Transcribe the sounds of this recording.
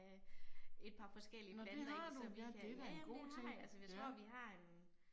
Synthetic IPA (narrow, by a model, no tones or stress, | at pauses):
e̝d̥pʰɑ̈fɒ̽sɡ̥el̰inɒeend̥e̝d̥æeɡ̥o̝̰ːt͡sʰe̝ŋ̰ælsəʋjit͡sʰʁo̝ɐ̰ʋiɦɑ̈en